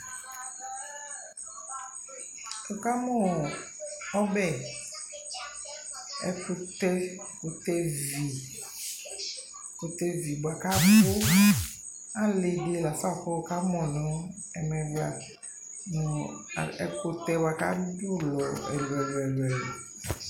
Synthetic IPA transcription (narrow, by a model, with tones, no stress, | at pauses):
o˨ka˦mɔ˨ | ɔ˦bɛ˦˨ | ɛ̰˨ko˦t̪ɛ˦ | ko˨t̪ɛ˦vi˨ | ko˨t̪ɛ˦vi˨ba˨ka˦ko˦ | ã˦le˨de˨la˨sa˦˨ko˦˨ka˦mɔ̃˨nɔ̃˨˦ | ɛ˨mɛ̃˨va˨ | nɔ̰̃˨ɛ̰˨ko˨t̪ɛ˦ba˨ka˦do˦lɔ˨ɛ̰˨lɛ˨lɛ˨lwɛ˨